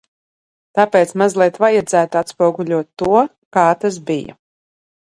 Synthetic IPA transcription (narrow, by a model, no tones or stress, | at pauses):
t̪apeːt̪smazlˠiɛt̪vajad̪zæːt̪uat̪spuɔɡuʎʲuɔt̪ːuɔ | kaːt̪as̬bija̰